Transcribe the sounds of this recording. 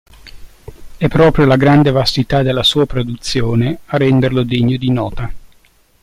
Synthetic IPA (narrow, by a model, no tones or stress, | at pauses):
ɛpːɾɔːpɾjolaɡɾand̪evast̪it̪ad̪elːasuːapɾod̪ut̪sːjoːnearːɛnd̪erlod̪eɲːod̪inɔːt̪a